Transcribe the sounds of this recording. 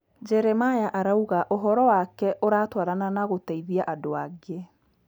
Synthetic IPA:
d͡ʑɛɾɛmajaʔaɾauɣaʔoɦɔɾɔwakɛʔoɾatwaɾananaɣotaiðiaʔadoaɡe

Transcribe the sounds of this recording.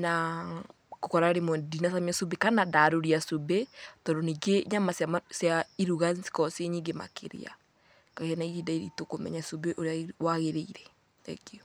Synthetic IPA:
na | kokɔɾaɾemɔdinasamiasobekanadaɾoɾiasobetɔɾɔniɡeɲamasasjaiɾuɣasi̥kɔseɲiŋɡema̰kʰḛɾḛa̰ | kaɣanaiɾidaiɾḭtokomɛ̰ɲasobeʔoɾeawaɣeɾeiɾɛ | ɛ̰keɔ

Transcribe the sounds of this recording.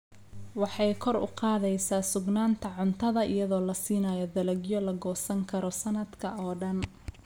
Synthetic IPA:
wɑħɑjkʰɔrʊ̰qɑːðɛjsaːsʊɡnaːnt̪ʰɐʕʊnt̪ʰɐðɐʔɪ̰jɐðɔːlɐsiːnaːjɔd̪ɐlɐɡjɔlɐɡɔːsɐŋkʰɐɾɔsɐnɐd̪kʰɐɔːɖɐn

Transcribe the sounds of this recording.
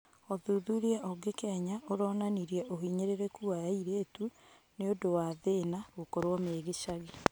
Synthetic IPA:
ɔðuðuɾiɛʔɔɡekɛɲaoɾɔnaniɾiɛʔoɦiɲeɾeɾekuajaiɾeːtu | neodowaːðenaɣokoɾwɔmeːɣeʃaɣi

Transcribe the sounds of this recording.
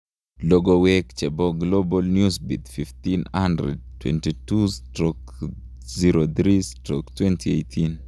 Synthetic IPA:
loɡɔwɛkt͡ʃɛbɔɡlobɔlnjusbit̪fift̪inandɾɛ̰d̚twɛ̰ntitustɾɔk | ziɾod̪ɾistɾɔ̰ktwɛntʰiejtʰin

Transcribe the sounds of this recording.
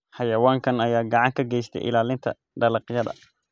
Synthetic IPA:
ħɑjɐwaːŋkʰɐnɐjaːɡɑʕɑŋkʰɐɡɛjst̪ʰɛ̰jʔɪ̰laːlɪnt̪ʰɐ̰ | ɖɐlɑqjɐðɐ̰

